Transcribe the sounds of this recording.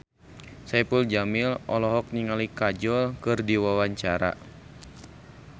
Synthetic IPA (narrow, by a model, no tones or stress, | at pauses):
sapuld͡ʒamilʔɔlɔɦɔk̚niŋalikad͡ʒɔlkɨrdiwawaɲt͡ʃaɾa̰